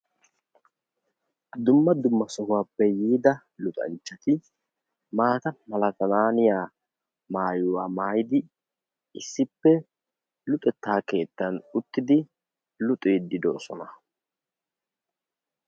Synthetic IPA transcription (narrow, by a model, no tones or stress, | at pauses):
d̪ʊmːɐd̪ʊmːɐsɔhʊwaːpːɛjiːd̪ɐ | lʊt̪ʼɐ̰nt͡ʃːɐt̪ɪ | maːt̪ɐmɐlɐt̪ɐnaːnɪjaː | maːjʊwaːmaːjɪd̪ɪ | ɪsːɪpːɛ | lʊt̪ʼɛt̪ːaːke̞ːt̪ːɐnʊt̪ːɪd̪ɪ | lʊt̪ʼeːd̪ɪd̪o̰ːsɔnɐ